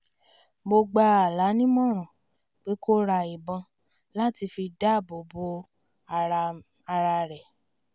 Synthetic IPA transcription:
mo˧ɡ͡ba˧a˨la˨˦nĩ˦mɔ̃˦ɾ̃ɔ̃˨ | k͡pe˦ko˦ɾa˧˨i˨bɔ̃˧ | la˦ti˧fi˧da˦˨bo˨bo˧˦˧ | ɾ | a˧ɾa˧ɾɛ˨

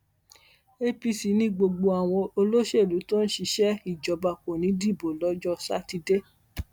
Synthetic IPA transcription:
e˦pi˧si˨˦nĩ˧˦ɡ͡bo˧ɡ͡bo˧a˨w̃ɔ̃˧o˧lo˦ʃe˦˨lu˨˦to˦n̩˦ʃi˧ʃɛ˦i˨d͡ʒɔ˨ba˧ko˨nĩ˨˦di˦˨bo˨lɔ˨˦d͡ʒɔ˧sa̰˦ti˧de˦

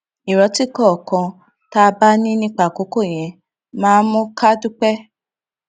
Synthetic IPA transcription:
i˨ɾɔ˨˦ti˦kɔ˦˨kã˧ | ta˦˧ba˦nĩ˦nĩ˦k͡pa˦˨ko˨˦ko˦˨j̃ɛ̃˨ | mãː˦mũ˦ka˦du˦k͡pɛ˦

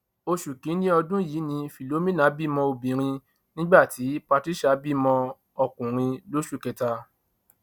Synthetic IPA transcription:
o˧ʃu˨kĩ˨˦nĩ˦ɔ˧dũ˦ji˨˦nĩ˧fi˨lo˨˦mĩ˦nã˨˦bi˦˨mɔ̃˧o˧bĩ˨ɾ̃ĩ˧ | nĩ˦ɡ͡ba˦˨ti˨˦pa˧ti˦ʃa˦bi˦˨mɔ̃˧ | ɔ˧kũ˨ɾ̃ĩ˧lo˦ʃu˦˨kɛ˧ta˧

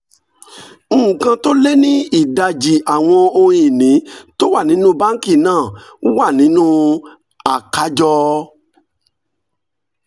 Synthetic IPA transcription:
ŋ̩˦˨kã˧to˦le˦nĩ˦i˦˨da˨d͡ʒi˨ʔa˨w̃ɔ̃˧o˧ĩ˨nĩ˨˦to˦wa˦˨nĩ˨˦nũ˦ba˦ŋ̩˦ki˦˨nãː˦˨˦wa˦˨nĩ˨˦nũ˦ | a˨ka˨˦d͡ʒɔ˧

